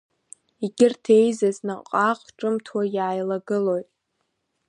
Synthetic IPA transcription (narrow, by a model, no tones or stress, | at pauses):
iɡʲɪrtʰejzaznaqʼaqʼʈ͡ʂʼɨmtʰwajaːjlaɡɨlo̞jtʼ